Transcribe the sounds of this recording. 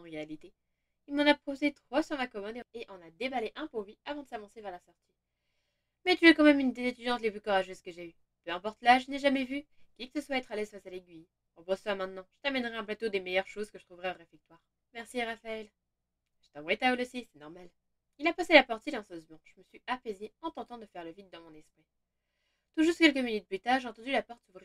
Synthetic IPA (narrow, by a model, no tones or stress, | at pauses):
ɑ̃ʁealit̪e | ilmɑ̃napχozet̪χwasyʁmakɔmɔd̪eeʔɔ̃nad̪ebaleʔɛ̃polɥiavɑ̃d̪əsavɑ̃sevɛʁlasɔʁt̪ʰi | mɛt̪yɛkɑ̃mɛmynd̪ezet̪yd̪jɑ̃t̪leplykɔʁaʒøzkəʒey | pøɛ̃pɔʁt̪laʒənɛʒamɛvykʲikə̥səswaɛt̪χalɛzfasaleɡʲɥi | ɔ̃bʁɔsswamɛ̃t̪nɑ̃ʒ̥ət̪amɛnʁɛɛ̃plat̪od̪emɛjœʁʃozkəʒət̪χuvʁɛɔʁefɛk̚t̪waːʁ | mɛʁsiaʁafaɛl | ʒ̥ə̥t̪ɑ̃vʁɛt̪aølosisɛnɔʁmal | ilapaselapɔʁt̪silɑ̃sɔzmɑ̃ʒ̥əməsɥiapɛzeɑ̃t̪ɑ̃t̪ɑ̃d̪əfɛʁləvit̪̚d̪ɑ̃mɔ̃nɛspχi | t̪uʒuʁsukʲɛlkəminyt̪̚plyt̪aʁʒeɑ̃t̪ɑ̃d̪ylapɔʁt̪suvʁi